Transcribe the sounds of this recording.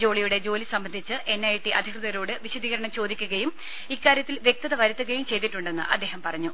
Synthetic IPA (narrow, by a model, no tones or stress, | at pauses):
d͡ʑo̞ːɭijuɽe̞d͡ʑo̞ːlisɐmbɐnd̪ʱit͡ɕːɨʔe̞nːɐjiʈːiʔɐd̪ʱikrɨðɐɣɾo̞ːɽɨʋiɕɐd̪ʱiːɣɐɾɐɳɐmt͡ɕo̞ːd̪ikʲːuɣɐjum | ikːaːɾjɐt̪ːilʋje̞k̚t̪ɐðɐʋɐɾɐt̪ːuɣɐjumt͡ɕe̞jt̪iʈːuɳɖe̞nːɨ̰ʔɐ̰d̪ːe̞ːɦɐmpɐrɐɲːu